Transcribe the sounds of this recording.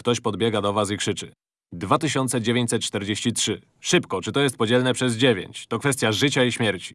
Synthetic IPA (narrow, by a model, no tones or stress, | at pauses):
kt̪ɔɕpɔd̪bʲjɛɡad̪ɔvasikʂɘt͡ʂɘ̰ | d̪vat̪ɘɕɔnt̪sɛd͡ʑevʲjeɲt͡ɕsɛt̪̚t͡ʂt̪ɛɾd͡ʑeɕt͡ɕitʂɘ | ʂɘpkɔt͡ʂɘt̪ɔjɛst̪̚pɔd͡ʑɛlnɛpʂɛzd͡ʑevʲjḛɲt͡ɕt̪ɔkfɛst̪ʲjaʐɘt͡ɕaiɕmʲjɛɾt͡ɕi̥